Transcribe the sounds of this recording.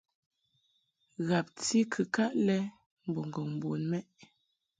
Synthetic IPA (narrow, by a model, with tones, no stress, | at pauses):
ɣa˨p̚ti˦kʰɨ˨ka˦ʔlɛ˦ | m̩˨bɔ˨ŋ˨ɡɔ˨ŋm˨bo˨nmɛ˦ʔ